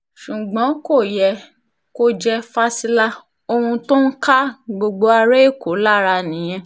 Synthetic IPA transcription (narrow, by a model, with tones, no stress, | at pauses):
ʃu˨ɡ͡bɔ̃˨˦ko˦˨jɛ˧ | ko˦d͡ʒɛ˦fa˦si˧la˦ | o˧hũ˧to˦n̩˦ka˦ɡ͡bo˧ɡ͡bo˧a˧ɾe˦e˦˨ko˨˦la˦ɾa˧nĩ˨j̃ɛ̃˧